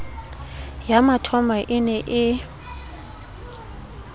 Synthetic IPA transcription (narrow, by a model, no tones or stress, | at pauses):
jamatʰɔmaʔɪnɛʔɪ